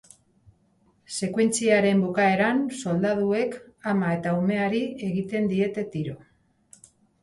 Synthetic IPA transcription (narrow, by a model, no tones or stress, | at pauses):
se̞kwe̞nt͡siaɾe̞mbokae̞ɾanso̞ld̪að̞ue̞k | amae̞t̪aume̞aɾie̞ɣit̪e̞nd̪ie̞t̪e̞t̪iɾo̞